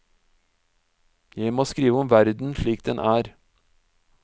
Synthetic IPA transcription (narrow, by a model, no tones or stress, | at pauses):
jæɪmoːskɾiːʋəɔmʋæɾd̪n̩ʃɭiːk̚d̪ɛnʔæːɾ